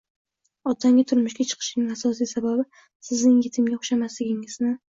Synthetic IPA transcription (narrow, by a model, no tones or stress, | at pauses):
ɒt̪ʰaŋɡʲat̪ʰʊɾmʊʃɡʲat͡ʃʰɨ̥qʰɨ̥ʃnɪŋasɒsijsababɪ | sɪznɪŋjet̪ʰɪŋɡʲaχʊʃamaslɪɡʲɪŋɪznɪ